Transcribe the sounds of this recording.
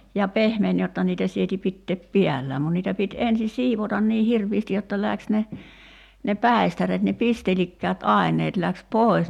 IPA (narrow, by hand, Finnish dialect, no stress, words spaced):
jɑ pehmen jotːɑ niːtæ sieti pitːeːp piælːæːm mun niːtæ pit ensi siːʋotɑn niː hirʋiːsti jotːɑ læks ne ne pæˑi̞stæret ne pistelikːæːt ɑˑi̞nˑeːt læks poˑi̞s